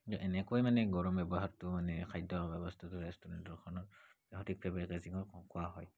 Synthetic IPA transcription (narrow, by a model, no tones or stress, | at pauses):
tɔʔɛnɛkojmanɛɡɔɹɔmbɛbɔɦaɹtʊmanɛkʰajdɔbɛbɔstʰatʊɹɛstɔɹɛntɔɹkʰɔnɔt | ɛɦɔtik̚pʰɛbakazikɔkʊaɦɔj